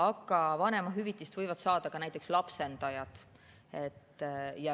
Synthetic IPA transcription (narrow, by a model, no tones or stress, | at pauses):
ɑɡˑɑvɑne̞mɑɦyvit̪ːˑist̪vɤjvɑd̪̥sɑːd̪ɑkɑnæjt̪ːˑe̞kslɑpse̞nd̪̥ɑjɑd̪̥ | e̞t̪ːjɑ